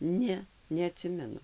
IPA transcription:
ˈnʲɛ nʲɛɐˈtʲsʲɪmʲɛnʊ

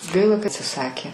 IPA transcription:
ˈɡɐɪlˠɐ kɐ ɐtʲsʲɪˈsɑːkʲeː

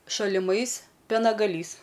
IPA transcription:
ʃɐlʲɪˈmɐɪs pʲiɛnɐɡɐˈlʲiːs

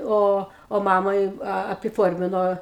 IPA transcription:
ˈoː oː ˈmɑːmɐɪ ɐpʲɪˈfoːrʲmʲɪnoː

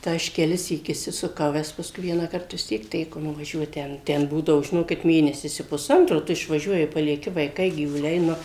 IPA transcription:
tɐɪ ˈɐʃ kʲɛˈlʲɪsʲiːk ɪʃʲsʲɪsʊˈkɐʊ ˈʋʲɛs pɐsˈkʊɪ ˈʋʲiɛnɑːkɐrt ʋʲɪs ˈtʲiɛk ˈtʲæːkoː nʊʋɐˈʒʲuɔt ˈtʲɛn ˈtʲɛn ˈbuːdɐʋoː ʒʲɪˈnoːkʲɪt ˈmʲeːnʲɛsʲɪs ɪ pʊˈsɐntroː ˈtʊ ɪʃʋɐˈʒʲuɔjɪ pɐlʲiɛˈkʲɪ ʋɐɪˈkɐɪ ɡʲiːʋʊˈlʲɛɪ ˈnʊ

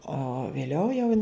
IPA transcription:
oː ʋʲeːˈlʲɛʊ jɛʊ

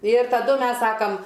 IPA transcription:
ɪr tɐˈdʊ ˈmʲɛs ˈsɑːkɐm

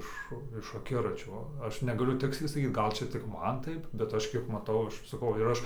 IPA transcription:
ˈɪʃ ɪʃ ɐˈkʲɪrɐt͡ʃʲoː ˈɐʃ nʲɛɡɐˈlʲʊ ˈtʲɪksʲlʲɛɪ sɐˈkʲiːt ˈɡɐlˠ ˈt͡ʃʲɛ tʲɪk ˈmɐn ˈtɐɪp bʲɛt ˈɐʃ ˈkʲiɛk mɐˈtɐʊ ˈɐʃ sɐˈkɐʊ ɪr ˈɐʃ

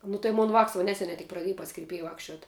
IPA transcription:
nʊ tɐɪ ˈmoːn ʋɑːks ʋɐ ˈnʲæːsʲɛnʲɛɪ tʲɪk prɐˈdʲeːj pɐs kʲɪrʲˈpʲeːjɛ ˈʋɑːkʃʲt͡ʃʲuɔt

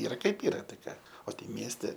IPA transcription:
ˈiːrɐ kɐɪp ˈiːrɐ tɐɪ ˈkɑː oː tɐɪ ˈmʲiɛsʲtʲɛ

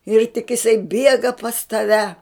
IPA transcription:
ɪr tʲɪk ɪˈsɐɪ ˈbʲiɛɡɐ pɐs tɐˈʋʲɛ

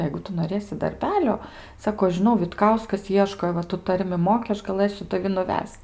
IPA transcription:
ˈjɛɪɡʊ ˈtʊ noːˈrʲeːsʲɪ dɐrʲˈbʲæːlʲoː ˈsɑːkoː ɐʃ ʒʲɪˈnɐʊ ʋʲɪtˈkɐʊskɐs ˈiɛʃkoː ɪ ˈʋɐ tʊ ˈtɐrʲmʲɪ ˈmoːkʲɪ ˈɐʃ ɡɐˈlˠɘsʲʊ tɐˈʋʲɪ nʊˈʋʲɛst͡s

